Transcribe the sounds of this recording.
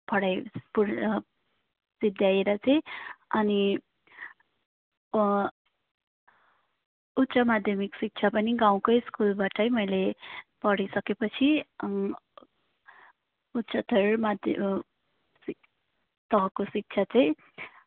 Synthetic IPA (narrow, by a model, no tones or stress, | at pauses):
pʌɽajpu | sid̪ʱjajeɾʌt͡sʌj̃ʌni | ut̪ːsʌmad̪ʱjʌmiksik̚t͡sʰapʌniɡaw̃koskulbaʈʌjmʌjlepʌɽisʌkepʌt͡sʰi | ut̪ːsʌt̪ʌɾmad̪ʱ | t̪ʌɦʌkosik̚t͡ʃʰat͡sʌj̃